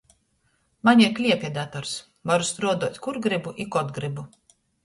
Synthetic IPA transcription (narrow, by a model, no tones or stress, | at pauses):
maɲiklʲiɛpʲiɛd̪at̪ɔɾs | vaɾust̪ɾuɔd̪uɔt̪ʲkuɾɡɾibuʔikɔd̪ɡɾibu